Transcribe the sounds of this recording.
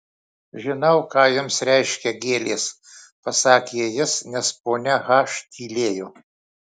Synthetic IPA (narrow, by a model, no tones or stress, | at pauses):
ʒʲɪnɐʊkɑːjɪmsɾʲɛɪʃʲkʲɛɡʲeːlʲeːs | pɐsɑːkʲejɪsnʲɛspoːnʲɛɣɑːʃt̪ʲʰiːlʲeːjoː